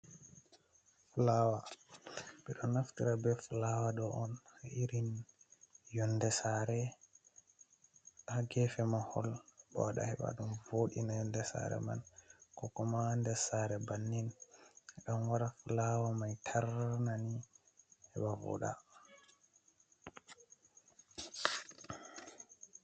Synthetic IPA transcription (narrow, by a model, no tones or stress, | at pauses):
fulawa | ɓɛɗɔnaftiɾabɛfulawaɗɔʔɔnhaʔiɾin | jɔndɛsaɾɛ | aɡɛfɛmahɔlbɔ̰waɗa̰hɛɓa̰ɗumvoɗinajɔndɛsa̰ɾɛ̰ma̰nkɔkɔmandɛsaɾɛbanːin | ɗɔnwaɾafulawamajtʰaɾnani | hɛbavɔ̰ɗa̰